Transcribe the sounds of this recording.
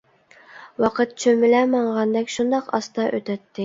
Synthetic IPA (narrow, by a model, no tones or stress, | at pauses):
wɑqʰət̪̚t͡ʃʰømɪlɛmɑɴʁɑnd̪ɛkʲʃund̪ɑqɑ̰st̪ɑʔøt̪ʰɛt̪ʰːɪ